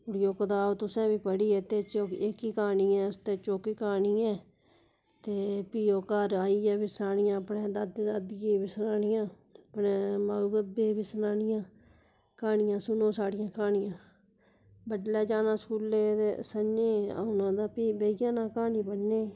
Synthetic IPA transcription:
ʊɽjoːkəd̪aːot̪ʊsɛ̃ːbiːpəɽiːɛːt̪eːt͡ʃoekiːkaːniːɛːʊst̪eːt͡ʃoːkiːkaːɳiːɛː | t̪eːpiːoːkəɾaːiːɛːbiːsənaːnɪjãːəpɳẽːd̪əd̪d̪əd̪ɡeːbiːsnaːnɪjãː | əpnẽːmaːuɡəb̪eːbiːsənaːnɪjãː | kaːɳɪjãːsʊnõːsaːɽɪjãːkaːɳɪjãː | bəʈlɛːd͡ʒaːnãːskuːleːd̪eːsənẽːa̰ːʊnãːd̪aːpiːbeijãːnãːkaːniːpəɽneː

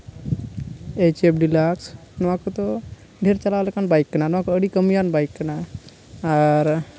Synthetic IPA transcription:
et͡ʃep̚ɖilaksnɔwãkot̪ɔ | ɖʱeɾt͡ʃalawlɛkanbajkːənanɔʋãkoəɽikəmijanbajkːənaː | ɾ

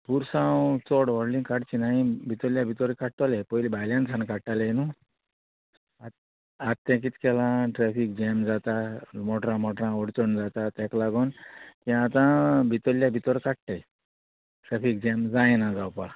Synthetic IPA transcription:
puɾsãwt͡sɔɽʋɔɽlĩkaɽt͡ɕinaĩbʱit̪oljabʱit̪ɔɾkaɽʈalepɔjlibʱajljãnsʰankaɽʈalenu | a | at̪ːɛ̃k̬it̪i̥kɛlãʈɾɛfik̚d͡ʑɛmd͡zat̪amɔʈɾãmɔʈɾãɔɽt͡sɔɳd͡zat̪at̪ɛklaɡɔnkĩat̪ãbʱit̪ɔljabʱit̪ɔɾkaʈʈ̪e | ʈɾɛfik̚d͡ʑemd͡zãjnad͡zawpa

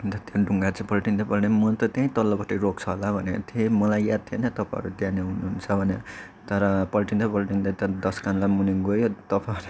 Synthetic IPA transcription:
t̪ʌt̪jãɖʱuŋɡat͡sʰʌ̃pʌlʈind̪ʌpʌlnemʌnt̪ʌt̪jãɦĩt̪ʌlːʌpʌʈʰiɾok̚t͡sʰʌɦolabʱʌnet̪ʰjeĩmʌlajːjad̪̚t̪ʰjenʌt̪ʌpãʌ̰ɾud̪janeɦunuɦunt͡sʰʌbʱʌne | t̪ʌɾʌpʌlʈind̪ʌpʌlʈind̪ʌt̪ʌɾʌd̪ʌskanlamuniɡojot̪ʌpaʌɾu

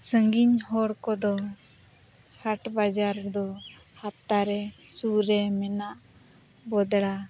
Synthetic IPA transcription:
səŋɡiɲhɔɽkɔd̪ɔ | haʈbad͡ʒaɾd̪ɔ | hap̚t̪aɾɛsuɾɛmɛnaʔ | bɔd̪ɽa

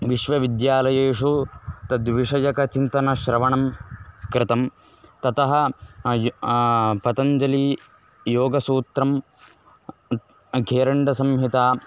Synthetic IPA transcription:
ʋiʃʋɐʋid̪jaːlɐjeːʂut̪ɐd̪ʋiʂɐjɐkɐt͡ʃint̪ɐnɐʃɾɐʋɐɳɐmkɾɪt̪ɐm | t̪ɐt̪ɐɦɐ̆ | pɐt̪ɐɲd͡ʒɐliː | joːɡɐsuːt̪ɾɐm | ɡʱeːɾɐɳɖɐsɐmɦit̪aː

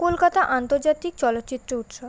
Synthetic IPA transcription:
kolkat̪aʔant̪oɾd͡ʑat̪ik̚t͡ɕɔlot̪ːt͡ɕit̪ːɾout̪ʃob

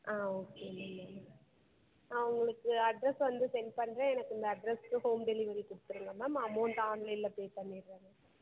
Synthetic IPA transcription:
ʔaːoːkeːlːɐɐ | ɐʋɐŋɡɐɭɯkːɯɐɖɾɛsʋɐnd̪ɯsɛnpɐɳːɾẽːɛnɐkːɯnd̪ɐɐɖɾɛskɯhoːmɖɛlɪʋɐɾikʊɽɯt̪ːɯɾɯŋɡɐmɐːmaːmoːnɖɐaːɳlɐɪlːɐpeːpɐɳːiɾʋaːŋɡɐ

